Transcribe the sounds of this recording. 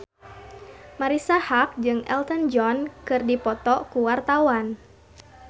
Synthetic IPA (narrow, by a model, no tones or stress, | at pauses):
maɾisahak̚d͡ʒɨŋɛ̰lt̪ənd͡ʒɔnkɨrdipɔt̪ɔkuwart̪awan